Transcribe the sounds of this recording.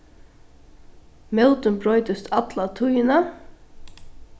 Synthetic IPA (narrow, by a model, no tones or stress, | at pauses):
mɛlt̪ʏnbɾɔʏt̪əst̪ʰat̪lat̪ʰujɪna